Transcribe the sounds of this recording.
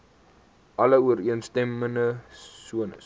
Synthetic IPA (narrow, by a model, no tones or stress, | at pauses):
ʔɐləuəɾiənstɛmənəsuənə̰s